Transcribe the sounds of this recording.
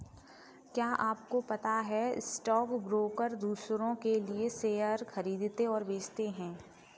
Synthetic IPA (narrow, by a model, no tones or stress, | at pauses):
kjaːʔaːp̚kopɐt̪aɦɛsʈɔːkbɾoːkəɾd̪uːsɾõkelieseːjəɾxɐɾiːd̪t̪eɔːɾʋeːt͡ʃt̪eɦɛ̃ː